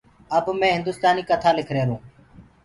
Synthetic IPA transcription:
əbmɛ̃ːɦɪnd̪ʊːst̪aːniːkət̪ʰaːlɪkʰɾeːɾũː

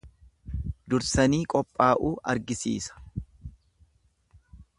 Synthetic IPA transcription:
d̪ʊɾsɐniːkʼɔpʼːaːʔuːʔɐɾɡɪsḭːsɐ̥

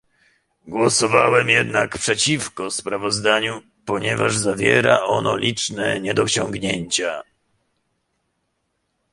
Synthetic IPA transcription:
ɡwɔsɔvawɛmjɛd̪nakpʂɛt͡ɕifkɔspɾavɔzd̪aɲu | pɔɲɛvaʐzavʲjɛɾaʔɔnɔlʲit͡ʂnɛɲɛd̪ɔɕɔŋɡɲeɲt͡ɕa

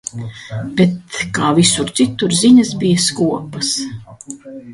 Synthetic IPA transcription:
b̥ɛt̪kaːvisuɾt̪sit̪ːuɾziɲɐsbijaskuɔpɐs

